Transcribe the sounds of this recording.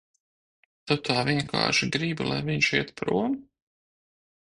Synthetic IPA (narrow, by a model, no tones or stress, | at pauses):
t̪ɔt̪aːvʲiɛŋkʰa̰ːʃiɡɾiblˠa̰jviɲʃiɛt̪pɾṵɔm